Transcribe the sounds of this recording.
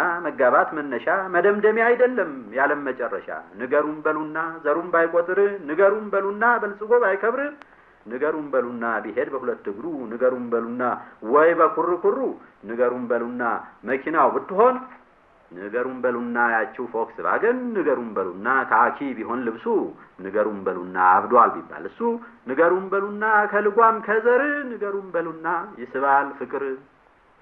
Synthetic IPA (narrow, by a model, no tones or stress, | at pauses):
aməɡːaβat̪mənːəʃaməd̪əmd̪əmiajd̪əlːəmjaləmːət͡ʃʼɛrːə̰ʃa̰nɨɡəɾumbəlunːazəɾumbajkʼot̪ʼɨɾɨnɨɡəɾumbəlunːabəlsʼɨɡo̞βajkʰəβɾɨ | nɨɡəɾumbəlunːabihe̞d̪bəhulət̪ːɨɡd̪unɨɡəɾumbəlunːawɔjbəkʷʰurːɨkʷʰurːunɨɡəɾumbəlunːaməkʰinawbɨt̪ːɨɦo̞n | nɨɡəɾumbəlunːajat͡ʃːɛwfoksɨβa̰ɡɨnːɨɡəɾumbəlunːat̪ʰaakʰibiɦo̞nlɨβsunɨɡəɾumbəlunːaːβd̪albibːa̰lɨsːunɨɡəɾumbəlunːakʰəlɨɡʷamkʰəzəɾɨnɨɡəɾumbəlunːajɪsɨβalfɨkʼɨɾ